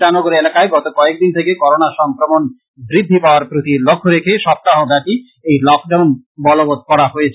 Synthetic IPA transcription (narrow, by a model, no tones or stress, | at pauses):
anoɡoɾelakaeɡɔt̪okɔek̚d̪int̪ʰekekɔɾonaʃɔŋkɾomon | bɾid̪ʱːipaoaɾpɾot̪ilokʰːoɾekʰeʃɔp̚t̪ːaɦobɛʈi | ejlɔk̚ɖaun | bɔlobot̪̚kɔɾaɦoet͡ɕʰ